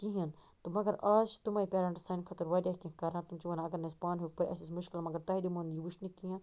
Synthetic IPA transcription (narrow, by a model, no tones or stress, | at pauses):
kĩɦint̪omɐɡɐɾaːʃt̪umɐːipʲeːɾɐ̃ɳʈsɐnkʰɐt̪ɐɾʋɐɖʲaːkĩkɐɾãːt̪umt͡ʃuʋɐnɐɡɐɾnɐspaːnɦoːk̚pɐɾʲɐ̰sismuʃkilmɐɡɐɾt̪ɐɦid̪imonjiʋuʃnikijãː